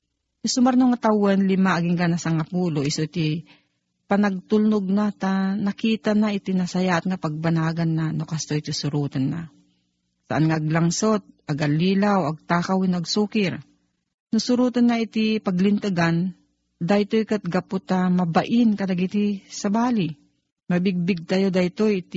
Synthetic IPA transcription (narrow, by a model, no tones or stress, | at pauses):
nʊsʊmaɾnoŋat̪awanlɪmaʔaɡɪŋkanasɐŋɐpuːloʔɪsot̪i | pɐnɐɡ̚t̪ʊlnʊɡ̚nat̪anɐkiːt̪anaɪt̪inɐsɐjaʔɐt̪̚ŋapɐɡ̚bɐnaːɡanːanokast̪oit̪ɪsʊɾuːt̪anːa̰ | sa̰ʔanŋaːɡlaŋsot̪̚aɡalːiːlawaɡ̚t̪aːkawɪnɐɡsuːkɪɾ | nʊsʊɾuːt̪anːait̪ipɐɡlɪnt̪aɡan | d̪ajt̪ojkat̪̚ɡapot̪amɐbaʔɪnkɐdɐɡit̪isɐbaːli | mɐbɪɡ̚bɪɡ̚t̪ajod̪ajt̪ojt̪